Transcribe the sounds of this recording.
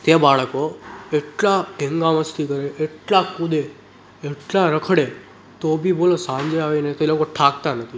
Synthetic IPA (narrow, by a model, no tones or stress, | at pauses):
t̪ebaːɭkoeʈlaʈẽŋɡãʋəst̪ʰikəɾeʔeʈlakud̪e | eʈlaɾəkʰɽe | t̪obʱiboːlosãɲd͡ʒeaʋenet̪oelokoʈʰakt̪anət̪ʰi